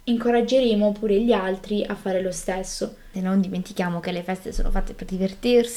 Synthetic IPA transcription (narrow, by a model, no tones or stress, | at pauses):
iŋkoɾad͡ʒːeɾeːmopuːɾeʎialt̪ɾiʔafːaːɾelost̪esːo | enːond̪iment̪ikjaːmokelːefɛst̪eso̰ːno̰fat̪ːeperd̪ivert̪irsi